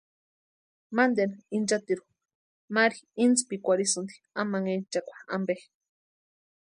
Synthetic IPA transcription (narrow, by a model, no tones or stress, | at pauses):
mand̪enind͡ʒat̪iɾu̥ | maɾiint͡spikʷaɾisɨnd̪i | amaŋent͡ʃakʷḁa̰mbe